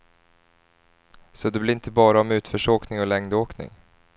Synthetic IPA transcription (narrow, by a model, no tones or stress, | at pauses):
sɔd̪ɵblɪɾɪnt̪ʰəbɑːɾaɔmʉ̟ːt̪fœʂoːknɪŋɔlɛŋd̪oːknɪ̰ŋ